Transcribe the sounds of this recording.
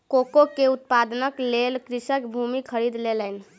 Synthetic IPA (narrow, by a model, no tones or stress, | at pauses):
kokokeut̪̚pad̪nəklelkɾisəkbʱumikʰəɾid̪lelən